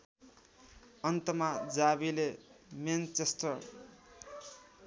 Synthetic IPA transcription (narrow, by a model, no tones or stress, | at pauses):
ʌnt̪ʌmad͡zabilement͡sesʈʌr